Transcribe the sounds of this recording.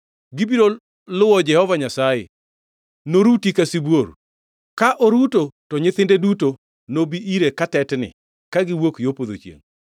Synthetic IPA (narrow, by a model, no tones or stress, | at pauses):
ɡɪbiɾo | lʊwɔd͡ʒɛhɔvaɲasajḛ | noɾutikasibwoɾ | kaʔoɾutotɔɲɪθɪndeduto | nobiʔiɾekatɛtnɪ̰ | kaɡɪwokjopod̪o̰t͡ʃjḛŋ